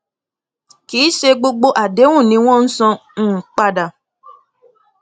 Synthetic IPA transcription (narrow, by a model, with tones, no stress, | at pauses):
kiː˨˦ʃe˧ɡ͡bo˧ɡ͡bo˦ʔa˨de˨˦wũ˦˨nĩ˨˧˦w̃ɔ̃˦n̩˦sɔ̃˧˦˨k͡pa˧da˨